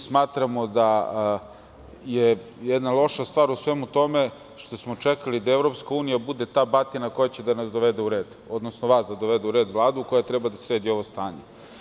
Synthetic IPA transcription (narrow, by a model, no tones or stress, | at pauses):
smaːt̪ɾamo̞d̪a | jejɛd̪nalˠo̞ʃast̪vʋaːɾusʋeːmut̪o̞me | ʃt̪o̞smot͡ʂekalid̪aevɾo̞pskauːnijabud̪et̪aːbat̪inako̞jat͡ɕed̪anasd̪oʋed̪euɾeːd̪ | o̞d̪nosnoʋaːsd̪ad̪oʋed̪euɾeːd̪ʋlˠaːd̪uukojat̪ɾɛbad̪asɾeːd̪io̞ʋost̪aːɲe